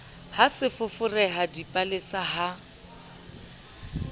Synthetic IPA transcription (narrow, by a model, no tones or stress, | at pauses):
hasɪfʊfʊrɛɦadipʼalɪsaɦa